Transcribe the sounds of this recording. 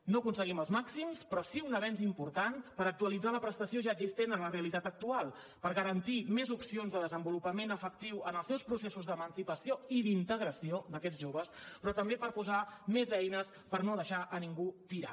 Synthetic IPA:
nokunsəɣiməlˠzmaksimspɾɔsiunəβɛnzimpuɾt̪anpəɾək̚t̪uəlid͡zaləpɾəst̪əsioʒaəɡzist̪enənləreəlit̪at̪ək̚t̪ualˠ | pəɾɣəɾənt̪imezupsionzðəðəzəmbulupəmenəfək̚t̪iwənəlˠsɛwspɾusesuzðəmənsipəsioiðint̪əɣ̞ɾəsiod̪əkɛd͡zʒoβ̞əspɾɔt̪əmbepəɾpuzamezɛjnəs | pəɾnoðəʃaʔəniŋɡut̪iɾa

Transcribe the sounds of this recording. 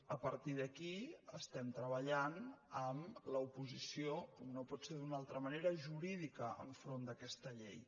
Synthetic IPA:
əpəɾt̪iðəkiəst̪ɛmt̪ɾəβəʎanəmləupuzisioomnopɔt̪seðunalˠt̪ɾəməneɾəʒuɾiðikəə̰ɱfɾond̪əkɛst̪əʎɛj

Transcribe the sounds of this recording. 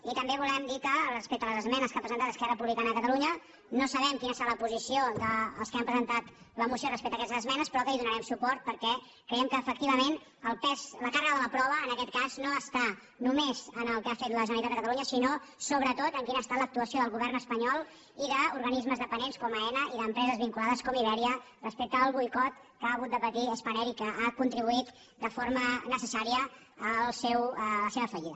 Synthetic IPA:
it̪əmbeβulɛmd̪ikərəspek̚t̪ələzəzmɛnəskapɾəzənt̪at̪əskɛrəpuβlikanəðəkət̪əluɲə | nosəβɛmkinəsəɾaləpuzisiod̪əːlˠskeampɾəzənt̪at̪ | ləmusiorəspek̚t̪əkɛst̪əzəzmɛnəspɾɔkəiðunəɾɛmsupɔɾt̪̚pəɾkɛ | kɾəjɛmkəːfək̚t̪iβəmen | əlˠpɛzləkarəɣəðələpɾɔβ̞əːnəkɛt̪̚kaznoəst̪a | numezənəlˠkafet̪ləʒənəɾlit̪at̪əkət̪əluɲəsino | soβɾət̪ot̪əŋkinəst̪alək̚t̪uəsioðəlˠɣuβɛrnəspəɲɔlˠ | iðəuɾɣənizməzðəpənenskɔməɛnəiðəmpɾɛzəzβiŋkulaðəskɔmiβɛɾiə | rəspek̚t̪əːlˠβujkɔt̪ | kaːɣut̪̚d̪əpət̪iəspənɛɾikəʔakunt̪ɾiβ̞uit̪ | d̪əfoɾmənəsəsaɾiə | əlˠsɛwləseβəfəʎiðə

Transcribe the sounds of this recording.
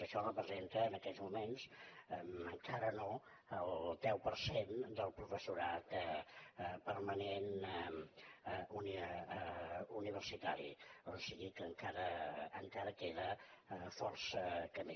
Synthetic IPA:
əʃɔrəpɾəzent̪əːnəkɛzmumensməŋkaɾəno | əlˠd̪ɛwpərsend̪əlˠpɾufəsuɾat̪ | pərmənen | uni | uniβ̞ərsit̪aɾḭɔsiɣikəŋkaɾəːŋkaɾəkeðəfɔrsəkəmi

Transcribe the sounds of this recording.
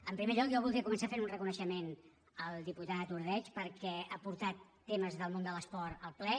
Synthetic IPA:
əmpɾimeʎɔkjɔβulˠd̪iəkumənsafenunrəkunəʃəmen | əlˠd̪iput̪at̪ət̪uɾðɛt͡ʃpəɾkɛapuɾt̪at̪ːeməzðəlˠmõnd̪ələspɔɾəlˠplɛ

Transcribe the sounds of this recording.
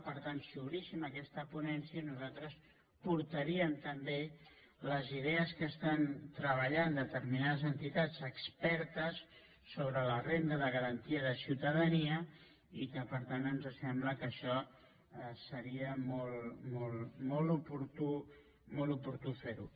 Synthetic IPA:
pəɾt̪ansuβɾisiməkɛst̪əpunɛnsiənuzat̪ɾəs | puɾt̪əɾiəmt̪əmbe | ləziðeəskəːst̪ant̪ɾəβəʎand̪ət̪əɾminaðəzənt̪it̪ad͡zəkspɛɾt̪əsː | oβɾələrend̪əðəɣəɾənt̪iəðəsiwt̪əðəniə | ikəpəɾt̪anənzəsɛmbləkəʃɔ | səɾiəmɔlˠmɔlˠmɔlˠupuɾt̪u | mɔlˠupuɾt̪ufeɾṵ

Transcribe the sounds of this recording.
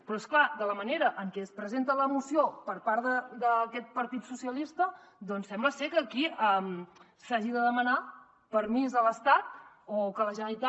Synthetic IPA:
pɾɔesklad̪ələməneɾəʔəŋkɛəspɾəzent̪ələmusijopəɾpaɾðəd̪əkɛt̪̚pəɾt̪it̪susiəlist̪ə | d̪ɔnsɛmbləsekəːkiəm | saʒiðəðəməna | pəɾmizələst̪at̪̚ | okələʒait̪a

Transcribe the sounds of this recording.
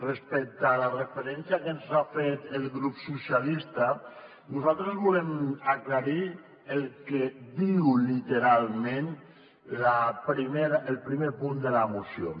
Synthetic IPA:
respɛk̚t̪alarefeɾɛnsjakenzafet̪elˠɣɾupsusjalist̪a | nuzalˠt̪ɾezβulemaklaɾi | elˠked̪iwlit̪eɾalˠmẽn | lapɾimeɾaʔelˠpɾimepund̪elamusio̰

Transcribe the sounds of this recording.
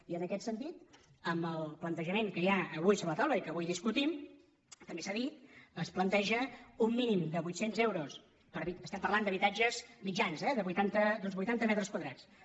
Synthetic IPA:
iənəkɛt̪sənt̪it̪ | əmbəlˠplənt̪əʒəmeŋkəjaəβujsoβələt̪awləikəβujðiskut̪im | t̪əmbesaðit̪̚əsplənt̪ɛʒəumːinimd̪əβujt̪senzɛwɾos | pəɾβiəst̪ɛmpəɾrland̪əβit̪ad͡ʒəzmid͡ʒanzɛðəβujt̪ant̪əd̪ɔnzβujt̪ant̪əmɛt̪ɾəskwəðɾat͡s

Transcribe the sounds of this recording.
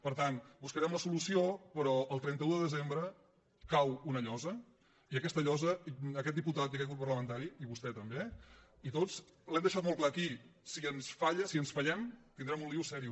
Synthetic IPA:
pəɾt̪anbuskəɾɛmləsulusiopəɾɔəlˠt̪ɾɛnt̪əuðəðəzembɾə | kawunəʎɔzə | iəkɛst̪əʎɔzəəkɛt̪̚d̪iput̪at̪əkɛkut̪̚pərləmənt̪aɾiiβust̪ɛt̪əmbe | it̪ot͡slɛmd̪əʃat̪mɔlˠklaːkisiənsfaʎəsiənsfəʎɛmt̪ind̪ɾɛmũnlliwsɛɾiu

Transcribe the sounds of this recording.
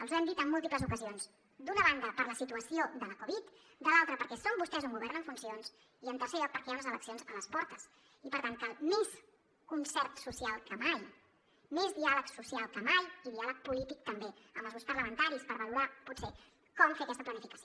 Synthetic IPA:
əlˠzwɛmd̪it̪əmːulˠt̪ipləzukəzionz | d̪unəβand̪əpəɾləsit̪uəsiod̪ələkuβit̪ | d̪əlalˠt̪ɾəpəɾkɛsombust̪ɛzuŋɡuβɛɾnəɱfunsions | iənt̪ərseɾʎɔk̚pəɾkɛanləzələksionzələspɔɾt̪əs | ipəɾt̪aŋkəlmes | kunsɛɾt̪susialˠkəmaj | mezðialəksusialˠkəmajiðialək̚pulit̪ik̚t̪əmbeəməlzɣuspəɾləmənt̪aɾispəɾβəluɾapuse | kɔmfeəkɛst̪əplənifikəsio

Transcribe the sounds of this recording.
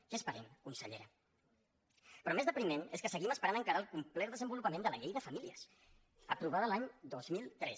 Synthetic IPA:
kespəɾɛmkunsəʎḛɾə | pɾɔmezðəpɾimɛneskəsəɣiməspəɾanəŋkaɾaəlˠkumplɛɾðəzəmbulupəmẽnd̪ələ̰ʎejðəfəmiliəs | əpɾuβaðəlaɲd̪ozmilˠt̪ɾɛs

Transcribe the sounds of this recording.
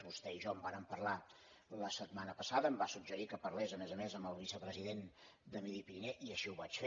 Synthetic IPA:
βust̪ɛiʒɔmbaɾəmpərla | ləsət̪manəpəsaðəːmbasuɡʒəɾikəpərlezəmɛzəmezəmbəlˠβisəpɾəziðen | d̪əmiðipiɾinɛʔiəʃiuβat͡ʃfe

